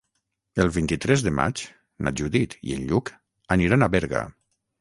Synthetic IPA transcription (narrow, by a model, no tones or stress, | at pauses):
əlˠβint̪it̪ɾɛzðəma̰t͡ʃ | na̰d͡ʒuðit̪ḭə̰nʎuk | aniɾanaβɛɾɣa̰